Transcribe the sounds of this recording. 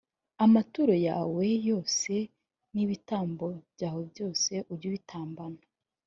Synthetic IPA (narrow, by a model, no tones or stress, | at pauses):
amatuɾo̞ja̰ːwe̞jo̞ːse̞ | niβitaːmbo̞bjaːho̞bjo̞ːse̞ʔuɾɟuβitʰaːmbana